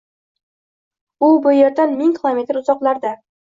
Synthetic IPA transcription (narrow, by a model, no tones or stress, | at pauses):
ʊbʊjeɾd̪anmɪŋkʲʰɪlˠome̞t̪ɾʊzɒqlˠaɾd̪a